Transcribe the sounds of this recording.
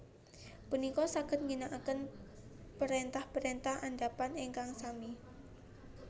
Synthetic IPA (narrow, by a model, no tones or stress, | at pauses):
punikɔsaɡ̥ə̤n̚ŋinaʔakən | pəɾent̪ahpəɾent̪ahandapaneŋkaŋsami